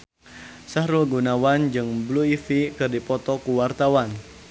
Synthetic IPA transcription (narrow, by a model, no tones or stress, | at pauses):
sahɾuɡunawand͡ʒɨŋbluifikɨrdipɔt̪ɔkuwart̪awan